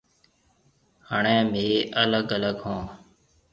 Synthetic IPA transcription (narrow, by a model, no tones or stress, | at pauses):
haːɳẽːmbʱiːʔələɡələɡɦõː